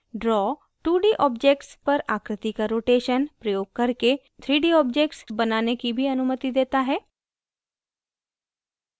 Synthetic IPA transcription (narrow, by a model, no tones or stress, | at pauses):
ɖɾɔː | ʈuːɖiʔɔːbd͡ʒeːk̚ʈspəɾaːkɾɪt̪ikaɾoːʈeːʃənpɾəjoːɡ̚kəɾke | t̪ʰɾiːɖiːɔːp̚d͡ʒeːk̚ʈsbənaːnekibʱiənʊmət̪id̪eːt̪aɦɛː